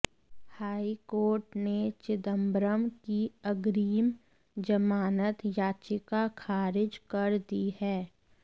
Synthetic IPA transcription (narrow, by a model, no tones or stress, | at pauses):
haːikoːɾʈnet͡ʃɪd̪əmbɾəmkiɐɡɾiːm | d͡ʒəmaːnət̪jaːt͡ʃɪkakʰaːɾɪd͡ʒkɐɾd̪ihɛː